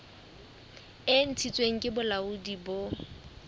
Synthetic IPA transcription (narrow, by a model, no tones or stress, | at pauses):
ɪn̩t͡sʰit͡sʼweŋ̩kʼɪbʊlaudibo